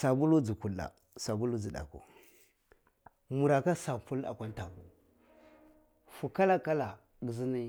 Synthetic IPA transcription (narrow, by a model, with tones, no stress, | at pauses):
sa˨bu˦lu˦d͡zi˨ku˨la̰˨ | sa˨bu˦lu˦d͡zi˨ɗa̰˨kṵ˨ | mu˨ɾa˨ka˦sa˨pu˦la̰˨kʷa˦n˦ta˨ku˨ | fu˨ka˦la˦ka˦la˨ | ɡi˨zi˦ni˦